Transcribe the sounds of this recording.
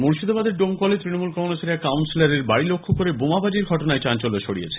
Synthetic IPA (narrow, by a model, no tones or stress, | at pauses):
muɾʃid̪obad̪eɾɖomkɔlet̪ɾinomulkɔŋɾaseɾekawnsilaɾeɾbaɽilokʰːokoɾebomabad͡ʑiɾɡʱɔʈonaet͡ɕant͡ɕoloʃʰoɽijḛt͡ɕʰe̥